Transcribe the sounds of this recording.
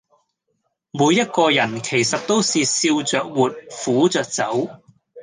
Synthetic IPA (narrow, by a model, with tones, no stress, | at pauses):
muː˨˧jːɐ˥t̚kɔː˧jɐ˨˩nkʰe˨˩jsɐ˨t̚t̪o˥wsiː˨siː˧wt͡sœː˨k̚wuː˨t̚fuː˨˥t͡sœː˨k̚t͡sɐ˨˥w